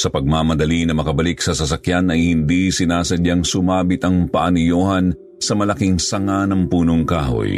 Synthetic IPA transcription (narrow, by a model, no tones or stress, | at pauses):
sɐpɐɡ̚maːmɐd̪ɐlinɐmɐkɐbɐliksɐsɐsɐkjanɐjhɪnd̪isɪnaːsɐdaŋsʊmaːbɪt̪ɐŋpɐʔɐnijoːhɐn | sɐmɐlɐkiŋsɐŋanɐŋpuːnoŋka̰ːho̰j